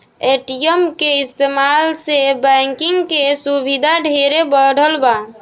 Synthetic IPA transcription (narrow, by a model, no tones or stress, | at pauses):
eʈijemkeist̪emalsebɛŋkiŋɡkesubʱid̪ʱaɖʱeɾebəɽ̤əlba